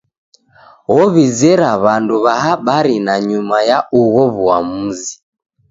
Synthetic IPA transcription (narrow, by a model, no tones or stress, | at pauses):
ɣɔβizɛɾaβanduβaɦaɓaɾinaɲumajaʔuɣɔβuamuzi